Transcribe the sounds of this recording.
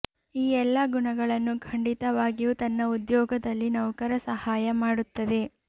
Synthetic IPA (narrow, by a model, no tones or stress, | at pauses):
iːɛlːɐɡuɳɐɡɐɭɐnːukʰɐɳɖit̪ɐʋaːɡijuːt̪ɐnːɐud̪jɔːɡɐd̪ɐlːinɐwkɐɾɐsɐhaːjɐmaːɽut̪ːɐd̪e̞